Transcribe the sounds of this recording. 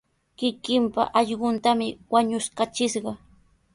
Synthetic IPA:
kɪkɪmpa̰ʔɑʎɢʊnt̪amɪwaɲʊskat͡ʃɪʃɢɑ

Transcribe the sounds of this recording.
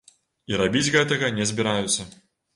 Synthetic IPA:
iɾabʲid͡zʲɣɛt̪ɐɣɐnʲɛzʲbʲiɾajut̪sːɐ

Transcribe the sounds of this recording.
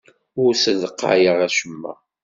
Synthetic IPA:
ʊɾsəðəqːa̰ʕjəʁæʃəmːæ̰

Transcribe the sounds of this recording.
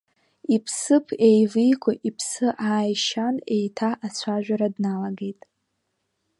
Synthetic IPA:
ipʰsɨpʰe̞jvɨjkʷʰaʔipʰsɨʔaːjʃane̞jtʰaʔat͡ɕʷʰaʒᶣʷaɾadnalaɡe̞jtʼ

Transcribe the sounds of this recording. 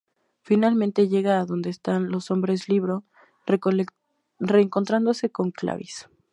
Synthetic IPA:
finalmẽnt̪e̞ʝe̞ɣaːðo̞nd̪e̞ːst̪anlo̞so̞mbɾe̞sliβɾo̞ | re̞ːŋko̞nt̪ɾand̪o̞se̞ko̞ŋkla̰βis

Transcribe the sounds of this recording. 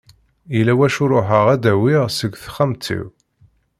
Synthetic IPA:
ilæwæʃʊɾˤoħəʁæd̪æwiʁsəɡʷθχamt̪ʰːḭw

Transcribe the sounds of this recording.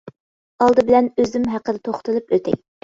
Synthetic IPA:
ɑlˠd̪ɨbɪlɛnøzymɦæqəd̪ɛt̪ʰoχt̪ɨlˠɨpøt̪ʰɛ̰k̚ʲ

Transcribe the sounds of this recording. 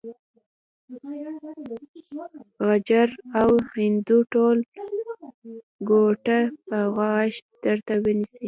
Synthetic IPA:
ɣad͡ʒaɾawhɪnd̪uʈol | ɡoʈapəɣaʃd̪̥əɾt̪awənisi

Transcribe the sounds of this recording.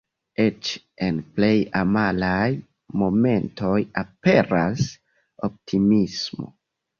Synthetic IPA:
e̞t͡ʃ | e̞nple̞jamalaj | mo̞me̞nto̞jape̞ɾas | o̞p̚tʰimismo̞̰

